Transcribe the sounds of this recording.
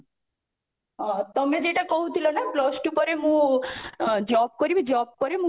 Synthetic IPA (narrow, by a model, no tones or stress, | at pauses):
ɦat̪əmed͡ʒeʈekɔɦũt̪ʰilonaplɔsʈupəɾeɦũ | d͡ʒɔp̚kəɾibʱid͡ʒɔp̚kəɾeɦũ